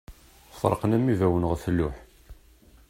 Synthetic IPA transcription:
sˤɾˤə̰qənæmːivæwənʁəθəlːʊħ

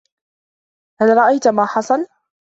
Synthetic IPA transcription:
halɾˤɑʔajt̪maːħɑsˤɑl

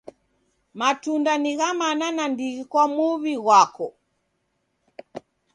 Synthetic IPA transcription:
matundaniɣamananandiɣikwamuβiɣwakɔ

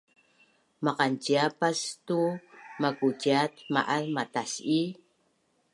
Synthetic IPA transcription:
maqant͡ʃiapast̪umakud͡ʒat̪ma̰ʔarmat̪asi

